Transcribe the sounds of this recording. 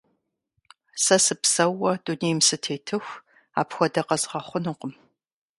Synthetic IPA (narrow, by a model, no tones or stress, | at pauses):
sɐsɨpsɐwɐduneːjmsɨtʰeːtʰɨxʷ | a̰ːpxʷɔdɐqɐzʁɐχʷʊnɨqəm